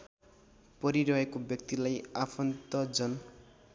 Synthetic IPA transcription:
pʌɾiɾʌɦekobjʌk̚t̪ilajapʰʌnt̪ʌd͡zʌn

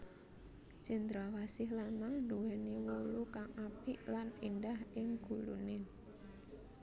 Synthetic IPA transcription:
d͡ʒ̥ə̤nd̪ɾawasɪɦlanaŋɳdowɛniwolukaŋapiʔlanindahʔɪŋɡ̥ṳlṵne

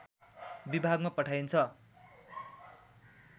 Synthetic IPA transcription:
bibʱaɡmapʌʈʰajnt͡sʰʌ

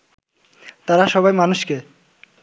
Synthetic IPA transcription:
t̪aɾaʃɔbajmanuʃke

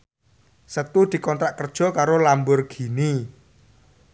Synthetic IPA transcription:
sət̪ud̪̥i̤kɔnt̪ɾaʔkərd̥ʒ̥ɔ̤kaɾolambʊrɡ̥i̤ni

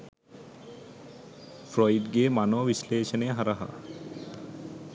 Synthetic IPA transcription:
fɾɔjɖɡemanobisleʃoneɦaɾaɦa̰

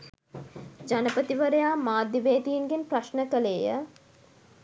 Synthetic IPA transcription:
d͡ʒanəpət̪iʋəɾəjaːmaːd̪ːiʋeːt̪iinɡenpraʃnəkəleːjə

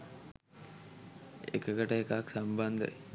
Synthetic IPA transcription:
ḛkəkəʈəekaksamband̪ə̰

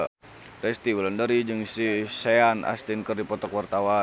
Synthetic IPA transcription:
rɛst̪iwlandəɾid͡ʒɨŋsiseana̰st̪inkərdipɔt̪ɔkwart̪awa

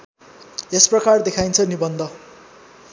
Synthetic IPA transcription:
esprʌkard̪ekʰajnt͡sʰʌnibʌnd̪ʱʌ

